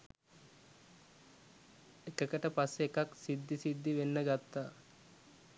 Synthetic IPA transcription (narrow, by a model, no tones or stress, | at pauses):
ekəkəʈəpasːeːkaksid̪ːisid̪ːiʋenːəɡat̪ːaː